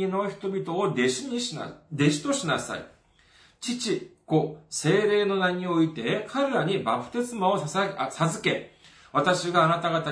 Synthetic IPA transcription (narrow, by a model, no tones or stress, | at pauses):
ino̞çi̥t̪o̞bʲit̪o̞ːd̪eɕiɲ̟iɕa̰d̪e̞ɕi̥t̪o̞ɕinasa̰ḭ | t͡ɕit͡ɕiko̞se̞ːɾe̞ːno̞naɲ̟io̞it̪e̞kʰaɾɯ̟ɾaɲ̟ibapɯ̟̥t̪e̞sɨmao̞sazɨke̞ | βat̪aɕiɡaːnat̪aɡat̪a